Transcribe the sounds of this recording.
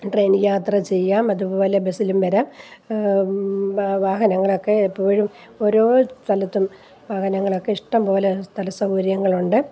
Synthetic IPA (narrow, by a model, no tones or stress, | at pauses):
ʈre̞ːnjaːt̪rɐt͡ɕe̞jːaːmɐðupo̞ːle̞besilumʋɐɾaːm | ʋaːɦɐnɐŋːɐɭo̞kːe̞pːoːɐɻum | o̞ɾo̞ːst̪ʰɐlɐt̪ːum | ʋaːhɐnɐŋːɐɭo̞kːe̞iʂʈɐmpo̞ːlest̪ɐlɐsɐwɾjɐŋːɐɭuɳɖɨ